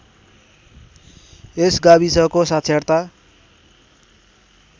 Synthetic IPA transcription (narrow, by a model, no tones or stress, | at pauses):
esɡaβisʌkosat̪sʰert̪a